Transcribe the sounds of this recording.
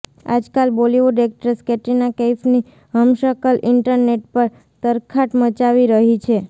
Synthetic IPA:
a̰d͡ʒkalboliʋoɖek̚ʈəɾskeʈinakefni | ɦəmʃəkəlʔɪɳʈəɾneʈ̚pəɾ | t̪əɾkʰaʈmət͡ʃaʋiɾəɦit͡ʃʰe

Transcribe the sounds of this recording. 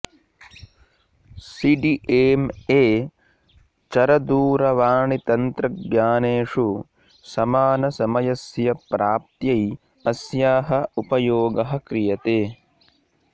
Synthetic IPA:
siɖiʔeːmeː | t͡ʃɐɾɐd̪uːɾɐʋaːɳit̪ɐnt̪ɾɐɡɲaːneːʂu | sɐmaːnɐsɐmɐjɐsjɐpɾaːp̚t̪jɐj | ɐsjaːɦɐupɐjoːɡɐɦɐ̆kɾijɐt̪eː

